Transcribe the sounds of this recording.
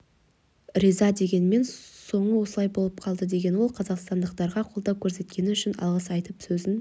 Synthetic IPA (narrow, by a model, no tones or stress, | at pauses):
rizɑd̪e̞ɡʲe̞nɪme̞nso̞ɴəwo̞səlˠɑjbo̞lˠəp̚qʰɑlˠd̪əd̪e̞ɡʲe̞nwo̞lˠqʰɑzɑqst̪ɑnd̪əq̚t̪ɑɾʁɑqʰo̞lˠd̪ɑkʲʰɵɾse̞t̪kʲe̞nɪʏʃɪnɑ̰lˠʁəsɑjt̪əpsɵzɪn